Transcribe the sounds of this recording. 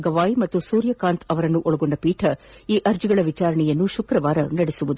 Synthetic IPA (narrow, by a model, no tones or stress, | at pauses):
ɡɐʋaːjimɐt̪ːusuːɾjɐkaːnt̪ʰɐʋɐɾɐnːuʔɔɭɐɡoɳɖɐpiːʈʰɐiːʔɐɾd͡ʒiɡɐɭɐʋit͡ʃaːɾɐɳɛjɐnːuʃukɾɐʋaːɾɐnɐɽesuʋud̪u